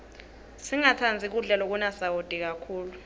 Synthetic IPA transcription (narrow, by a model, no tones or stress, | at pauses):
siŋatʰand͡zʱik̬uɮɛlɔk̬unasawod̥ʱik̬akʰuːlu